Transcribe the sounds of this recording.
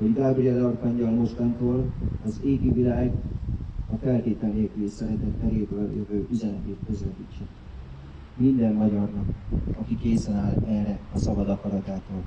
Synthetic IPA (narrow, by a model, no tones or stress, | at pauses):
hoɟɡaːbriɒd̪ɒrkɒɲɟɒlmo̞ʃt̪ɒnt̪oːlɒzeːɡivilaːɡ | ɒfɛlt̪eːt̪ɛlneːkylesɛɾɛt̪ɛt̪ːɛɾeːbøːljøvøːʔyzɛnɛt̪eːt̪køzlɛbit͡ʃːɛ | mind̪ɛmːɒɟɒrnɒkɒkikeːsɛnaːlɛrɛɒsɒbɒd̪ɒkɒɾɒt̪aːt̪oːl